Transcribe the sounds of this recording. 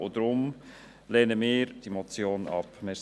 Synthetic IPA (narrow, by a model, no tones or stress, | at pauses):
odɾʊm | leːnəmɪːɾd̥imot͡sjoːnɑ̰pmɪː